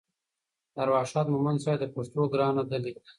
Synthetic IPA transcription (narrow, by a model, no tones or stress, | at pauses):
aɾwɑːʃɑːt̪mʊmansɑːjd̪əposʈoɡɾɑːnad̪alia